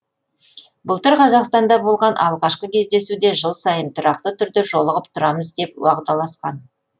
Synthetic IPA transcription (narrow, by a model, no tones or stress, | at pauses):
bʊlˠt̪əɾqʰɑzɑqst̪ɑnd̪ɑbo̞lˠʁɑnʔɑ̰lˠʁɑʃqəkʲʰe̞zd̪e̞sud̪e̞ʒəlˠsɑjənt̪ʰʊɾɑq̚t̪ət̪ʰʏɾd̪ɪʒo̞lˠəʁəp̚t̪ʰʊɾɑməzd̪e̞p̚wɑʁt̪ɑlˠɑsqɑn